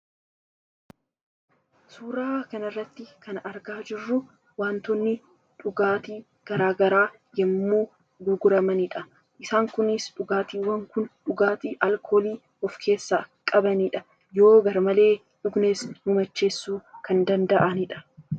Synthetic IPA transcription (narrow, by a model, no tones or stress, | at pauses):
suːɾaːkɐnɐrːɐt̪ːɪkɐnɐɾɡaːd͡ʒɪrːʊ | waːnt̪ɔnːɪ | ᶑʊɡaːt̪iː | ɡ̥ɐɾaːɡɐɾaː | jɛmːuː | ɡʊɡʊɾɐmɐnɪᶑɐ | ʔɪsaːŋkʊnɪsᶑʊɡaːt̪iːwɐŋkʊnᶑʊɡaːt̪iːʔɐlkʰo̞ːliː | ɔfkʰe̞ːsːaːkʼɐbɐnɪᶑɐ | jo̞ːɡɐɾmɐle̞ː | ᶑʊɡneːsmʊmɐt͡ʃːe̞ːsːuːkɐnd̪ɐnd̪ɐʔɐnɪᶑɐ̥